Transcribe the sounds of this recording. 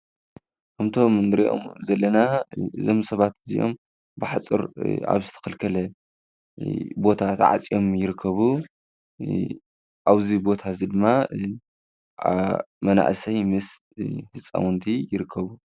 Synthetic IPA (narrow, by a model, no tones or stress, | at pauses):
kʰɐmt̪ʰo̞mnɨɾiʔo̞̰mzɐlːɐnaɨzo̞msɐβat̪ɨzḭjʔo̞̰m | bɨħat͡sʼɨ̰ɾa̰βzɨt̪ʰɐ̥kʰɐlkʰɐlɐ | bo̞t̪ʰat̪ʕa̰t͡sʼjo̞mjɪɾɨkʰːɐβu | ʔaβzibo̞t̪ʰazid̪ɨmːa | mɐna̰ʔsɐjmɨs | hɨt͡sʼːa̰wunt̪ʰijɪɾɨkʰːɐβu